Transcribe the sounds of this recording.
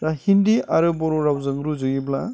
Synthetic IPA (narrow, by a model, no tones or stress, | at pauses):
ɾahindiʔaɾɯbɔɾɔɾawzɯŋɾuzɯjibla